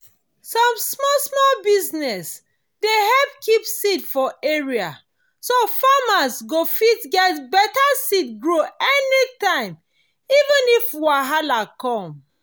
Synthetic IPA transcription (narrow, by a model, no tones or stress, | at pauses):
sɔ̃msmɔsmɔlbiznɛs | dehɛp̚kʰipsidfɔeɹia | sofamasɡofitɡɛtbɛtasitɡɹoɛnitãɪ̃m | ivə̃nifwaɦalakɔ̃m